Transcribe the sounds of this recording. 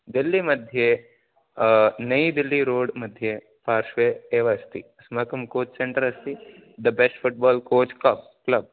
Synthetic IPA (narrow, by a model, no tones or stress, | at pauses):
d̪ɪlːimɐd̪ʱje | nɐid̪ɪlːiɾoːɽmɐd̪ʱje | paːɾʃʋeeːʋaɐst̪ḭɐsmaːkɐmkoːt͡ʃseɳʈəɾɐst̪i | d̪ɐbesʈfʊʈ̚bɔːlkoːt͡ʃklɐb̚ | klɐb̚